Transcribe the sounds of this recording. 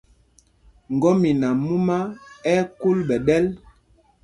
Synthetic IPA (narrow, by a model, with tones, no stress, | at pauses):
ŋ˨ɡɔ˦mi˨na˨mu˦ma˦ɛ˦ku˦lbɛ˨ɗɛ˦l